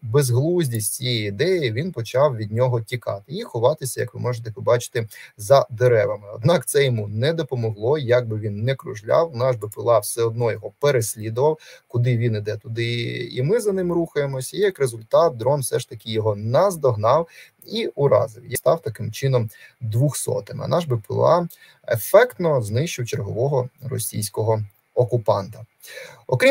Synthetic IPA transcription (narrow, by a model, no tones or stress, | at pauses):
bezɦlˠuzʲdʲisʲtʲt͡sʲijɛjid̪ɛjiʋʲinpɔt͡ʃɑwʋʲid̪ʲnʲɔɦɔtʲikɑt̪ɪixʊʋɑt̪ɪsʲɐjɐkʋɪ̰mɔʒɪt̪ɛpɔbɑt͡ʃɪ̥t̪ɪzɐd̪eɾɛʋɐmɪɔ̰d̪nɑkt̪sɛjɔmunɛd̪ɔpɔmɔɦlˠɔjaɡ̚bɪʋʲinːɛkɾʊ̰ʒlʲɑ̰wnɑʒbɪpɪlˠɑwsɛɔd̪nɔjɔɦɔpeɾesʲlʲid̪ʊʋɐwkʊd̪ɪʋʲinid̪ɛt̪ʊd̪ɪḭmɪzɐnɪmɾuxɐjemɔsʲɐijɐkɾezʊlʲt̪ɑt̪̚d̪ɾɔnwfsɛʃt̪ɐkɪjɔɦɔnɐzd̪ɔɦnɑw | iʊɾɑ̰zɪwjst̪ɑwt̪ɐkɪmt͡ʃɪnɔmd̪ʋuxsɔ̰t̪ɪmɪ̰ɐ̰nʔɑʒbɪpɪ̰lˠɑ̰ | ḛfɛkt̪nɔznɪʃt͡ʃɪwt͡ʃerɦɔʋɔɦɔrɔ̰sʲḭjsʲkɔɦɔ | ɔkʊpɑnt̪ɐ | ɔkɾʲi